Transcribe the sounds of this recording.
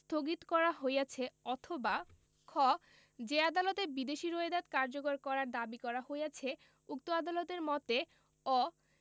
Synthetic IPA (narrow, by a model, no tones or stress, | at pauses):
st̪ʰoɡit̪kɔɾaɦojat͡ɕʰeɔt̪ʰoba | kʰɔ | d͡ʑead̪alɔt̪ebid̪eʃiɾoed̪at̪kaɾd͡ʑokoɾkɔɾaɾd̪abikɔɾaɦojjat͡ɕʰe | uk̚t̪oad̪alot̪eɾmɔt̪e | ɔ